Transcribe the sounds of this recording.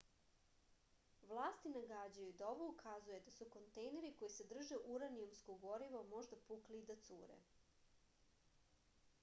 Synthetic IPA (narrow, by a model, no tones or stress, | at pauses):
ʋlˠaːst̪inaɡad͡ʑajud̪aoʋoukʰazuje̞d̪asuko̞nt̪ejne̞ɾiko̞jise̞d̪r̩ʒeʔuɾaniumskoɡo̞ɾiʋo̞mo̞ʒd̪apuklid̪at̪sṵːɾḛ